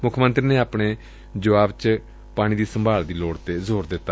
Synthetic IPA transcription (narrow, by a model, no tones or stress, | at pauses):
mʊkʰmə̃nt̪ɾiːneːaːpɳeː | d͡ʒəʋaːbt͡ʃ | paːɽ̃iːd̪iːsəmbʱaːld̪iːloːɽt̪eːzoːɾd̪ɪt̪ːaː